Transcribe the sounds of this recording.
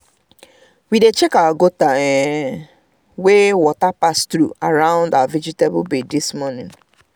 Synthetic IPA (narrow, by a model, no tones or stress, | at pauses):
widet͡ʃekawaɡotaɛ | wewɔtapastɾuaɹãʊ̃ndawavid͡ʒitebbedismɔnɪ̃n